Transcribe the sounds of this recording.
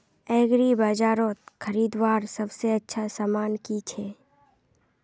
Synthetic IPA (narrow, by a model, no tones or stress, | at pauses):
ɛːɡɾibaːd͡ʒaːɾõt̪xʰəɾiːd̪waːɾsɐbseɐtːʃʰasaːmaːnkit͡ʃʰe